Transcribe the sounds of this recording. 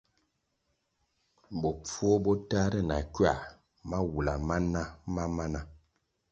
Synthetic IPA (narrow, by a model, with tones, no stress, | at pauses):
bɔ˨p͡fwɔ˦bɔ˦ta˦ɾɛ˦˨na̰˨kɥa˦˨ | ma˦wu˨la˨ma˦na˦ma˦ma˦na˨